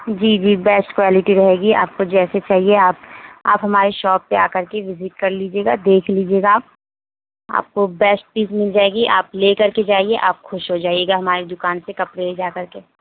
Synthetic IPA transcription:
d͡ʒiːd͡ʒiːbɛːsʈkwaːlɪʈiɾɐɦeːɡia̰ːp̚kod͡ʒɛːset͡ʃaːɦieaːp̚a̰ːpɦɐmaːɾeʃɔːpːeaːkɐɾkeʋɪzɪʈ̚kɐɾliːd͡ʒeːɡad̪eːkʰliːd͡ʒieːɡaː | a̰ːp̚kobɛːsʈ̚piːzmɪld͡ʒaːeɡiʔa̰ːplekɐɾked͡ʒaːieʔaːp̚xʊʃɦod͡ʒaːieːɡaɦɐmaːɾed̪ʊkaːnsekɐpɽeled͡ʒaːkɐɾke

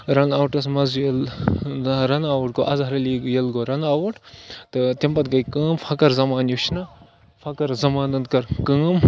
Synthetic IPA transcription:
ɾɐnaːwʈɐs̬mɐzujɐl | ɾɐnaːwɐʈ̚ɡoːʔɐzaɾɐliːɡjɐlɡoɾɐnaːwɐʈt̪ɨt̪impɐt̪ɡɐjkəːmfʰɐkɐɾzɐmaːnjuʃʰnɐ | fʰɐkɐɾzɐmaːnɐnd̪kɐɾkəːm

